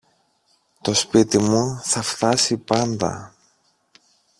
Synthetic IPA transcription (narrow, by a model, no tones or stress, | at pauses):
t̪o̞spit̪imuθɐft̪ɐsipɐnd̪ɐ̰